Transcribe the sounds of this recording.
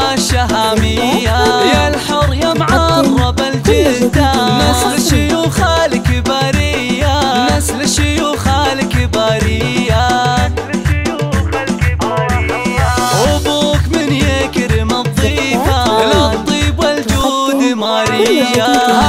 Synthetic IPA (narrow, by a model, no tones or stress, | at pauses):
ʃaɦaːmiajalħʊɾjamʕɑɾˤwɑbald͡ʒɪd̪amɪslʃiuxaːlɪkɪbaɾijːamɪslʃiuxaːlɪkɪbaːɾiːa | ʔʊbuːkmɪnjekɾɪmɑt̪ˤːiːbalat̪ˤːiːbwald͡ʒud̪ɪmaːɾija